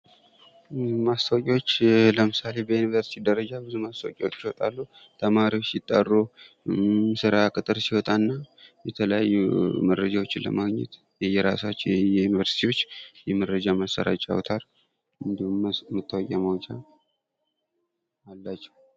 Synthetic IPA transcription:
mast̪ʰəwkʼiwot͡ʃːləmɨsale̞bəjunivəɾsi̥t̪ʰid̪əɾəd͡ʒabɨzumast̪ʰəwkʼɛwot͡ʃːiwɔt̪ʼalːu | t̪ʰəmaɾiwo̞t͡ʃːjɪt̪ʼːarːu | sɨɾakʼɨt̪ʼɨɾsiwɔt̪ʼanːajɛt̪ʰələjajːuməɾːəd͡ʒawo̞t͡ʃːɪnlə̰maɡɲɛ̰t̪ | jɛjɛɾasat͡ʃːɛjɛjunivəɾsi̥t̪ʰiwo̞t͡ʃːjɛməɾəd͡ʒamasːə̰ɾa̰t͡ʃʼa̰wt̪ʰaɾ | ɨnd̪hmət̪ːəwokʼaməwt͡ʃʼa | alːat͡ʃːɛ̥w

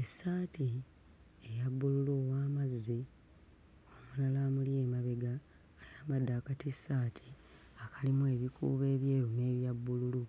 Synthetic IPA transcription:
esaːti | ejabːululuːwaːmazːi | oomulalaːmulje̞ːmaβe̞ɡaː | jaːmad̪ːaːkatisːaːtʰi̥ | akalimue̞ːβikṵːβe̞ːβje̞ːɾune̞ːβjabːululu

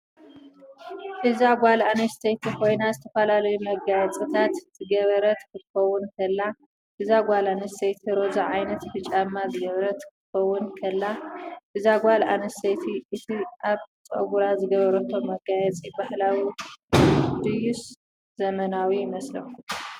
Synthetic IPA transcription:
ʔɨzaɡʷalanɐst̪ʰejt̪ʰikʰo̞jnazɨt̪ʰɐfɐlalɐjumɐɡajɛt͡sʼit̪ʰat̪zɨɡɐβɐɾɐt̪kʰɨt̪xɐwʊnkʰɐlːa | ʔɨzaɡʷalanɐst̪ejt̪ʰiɾo̞zaʕajnɐt̪fɨt͡ʃʼamːazɨɡɐβɾɐt̪kʰɨxɐwːʊnkʰɐlːaʔɨzaɡʷala̰nɐst̪ejt̪ʰiʔɨt̪ʰiʔaβt͡sʼɐ̰ɡuɾazɨɡɐβɐɾɐt̪ʰo̞mɐɡajɛt͡sʼibaħlawi | d̪ɨjus | z̥ɐmɐnawimɐslɐxu

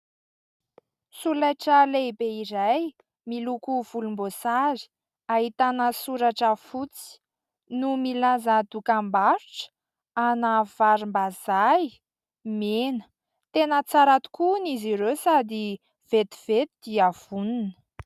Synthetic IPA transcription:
sulaʈ͡ʂəlebeiɾaj | milukuv̥ulumbosaɾi̥ | aɦit̪anəsuɾaʈ͡ʂəfut͡si̥ | numilazəd̪ukambaɾuʈ͡ʂə̥ | anəv̥aɾimbazaj | menə̥ | t̪enət͡saɾat̪u̥kuniziɾesad̪i | v̥et̪iv̥et̪id̪iav̥uninə̥

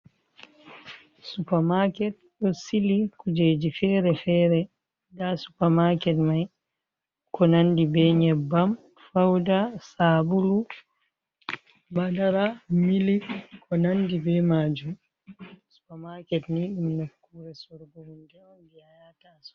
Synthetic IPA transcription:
supamakɛt̚ɗɔsilikud͡ʒed͡ʒifɛːɾɛfɛːɾɛ | dasu̥pamakɛtmaj | kɔnandibɛɲɛbːam | fawdasabulu | badaɾamilikʰɔnandibɛmaːd͡ʒum | su̥pamakɛtniɗumnakːuɾɛsuɾɡuwundɛɔndihajatasɔ̥

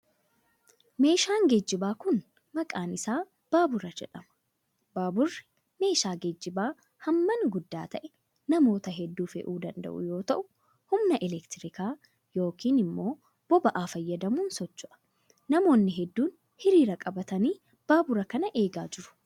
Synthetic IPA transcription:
me̞ːʃaːŋɡed͡ʒːɪbaːkʊn | mɐkʼaːnɪsaː | b̥aːbʊɾɐd͡ʒɛᶑɐmɐ̥ | baːbʊrːɪ̥ | me̞ːʃaːɡed͡ʒːɪbaː | hɐmːɐnɡʊd̪ːaːt̪ɐʔɛ | nɐmo̞ːt̪ɐɦɛd̪ːuːfɛ̰ʔuːd̪ɐnd̪ɐ̰ʔʊ̰jo̞ːt̪ɐʔʊ | hʊmnɐʔɪlɛkt̪ɪɾɪkaː | jo̞ːkiːnɪmːo̞ː | b̥ɔbɐʔaːfɐjːɐd̪ɐmuːnsɔt͡ʃːʊʔɐ̥ | nɐmo̞ːnːɪɦɛd̪ːuːn | hɪɾiːɾɐkʼɐbɐt̪ɐniː | b̥aːbʊɾɐkɐnɐʔe̞ːɡaːd͡ʒɪɾʊ̥

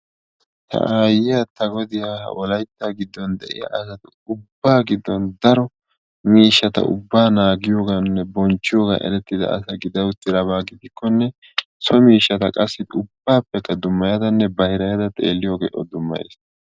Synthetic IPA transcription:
t̪ʰɐ̰ʔaːjɪjat̪ɐɡɔd̪ɪjaːhɐ̰wɔlɐjt̪ːaːɡɪd̪ːɔnd̪ɛʔɪ̰ja̰ʔɐsɐt̪ | ʊbːaːɡɪd̪ːɔnd̪ɐɾɔ | miːʃːɐt̪ɐ̰ʊ̰bːaːnaːɡɪjoːɡanːɛbɔnt͡ʃːɪjoːɡa̰ʔɛ̰ɾɛt̪ːɪd̪ɐ̰ɐ̰sɐɡɪd̪ɐwʊt̪ːɪɾɐβaːɡɪd̪ɪkːɔnːɛ | sɔmiːʃːɐt̪ɐkʼɐsːɪd̪ʊbːaːpːɛkːɐd̪ʊmːɐjɐd̪ɐnːɛbɐhɪɾɐjɐd̪ɐt̪ʼe̞̰ːlːɪjoːɡḛːʔɔd̪ʊmːɐ̰jḛːs

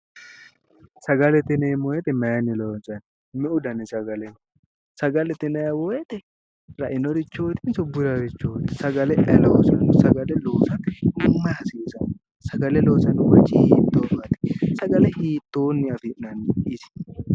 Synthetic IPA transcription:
sɐɡɐlɛt̪ɪnemɔjɛt̪ɛmɐjɐnːɪloːnt͡sʼɐn | mɛʔʊd̪ɐnɪsɐɡɐlɛ | sɐɡɐlɛt̪ɪnɐjɐwoːjɛt̪ɛ | ɾɐʔɪnɔɾɪt͡ʃːoːt̪ɪnsɔbːʊɾɐɾɪt͡ʃːoːt̪ɪsɐɡɐlɛʔɛloːsɐnsɐɡɐlɛloːsɐnʊmɐhɐsiːsɐn | sɐɡɐlɛloːsɐnʊwɐt͡ʃːɪhiːt̪ːobat̪ɪ̥sɐɡɐlɛhiːt̪ːoːnːɪɐfɪnɐnɪsɪ̥

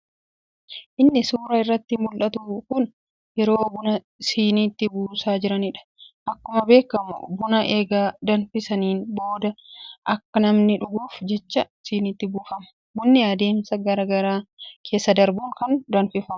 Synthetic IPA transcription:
ʔɪnːɪsuːɾɐɪrːɐt̪ːɪmʊlᶑɐt̪ukʊn | jɛɾo̞ːbʊnɐ | siːniːt̪ːɪbuːsaːd͡ʒɪɾɐnɪᶑɐ̥ʔɐkːʊmɐbe̞ːkːɐmʊ̰bʊnɐʔeːɡaːd̪ɐnfɪsɐniːnbo̞ːd̪ɐʔɐkːɐnɐmnɪᶑʊɡuːfd͡ʒɛt͡ʃːɐsiːniːt̪ːɪbuːfɐmɐ̥ | bʊnːɪjaːd̪e̞ːmsɐɡɐɾɐɡɐɾaːkʰe̞ːsːɐd̪ɐɾbuːŋkɐnd̪ɐnfɪfɐmɐ̥

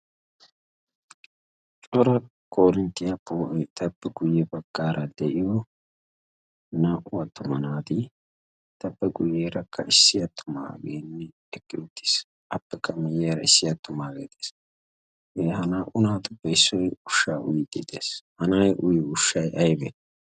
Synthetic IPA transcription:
t͡ʃʼɔɾɐ | kʰoːɾɪnt̪ːɪjɐpːoːʔt̪ɐbːɛɡʊjːɛbɐɡːaːɾɐd̪ɛʔɪjɔ | naːʔʊwɐt̪ːʊmɐnaːd̪ɪ | t̪ɐbːɛɡʊjːeːɾɐkʰːɐɪsːɪjɐt̪ʰːʊma̰ːɡḛːnːɛ | ɛkːɪd̪ʊt̪ːe̥ːs | ʔɐpːɛkːɐmɪjeːɾɐɪsːɪjɐt̪ːʊmaːɡḛːt̪eːs | eːɦɐnaːʔʊnaːt̪ʊbɐɪsːɔjʊʃːaːʔʊ̰jɪd̪ḛt̪ḛːshɐnajʔʊjɪʊʃːɐjʔɐjbɛ

